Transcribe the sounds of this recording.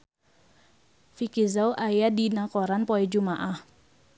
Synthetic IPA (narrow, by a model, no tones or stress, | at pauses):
fikizawʔajadinakoɾanpɔɛd͡ʒumaʔah